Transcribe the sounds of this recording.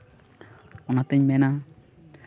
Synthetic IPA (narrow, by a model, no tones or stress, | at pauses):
ɔnat̪ɛɲmɛna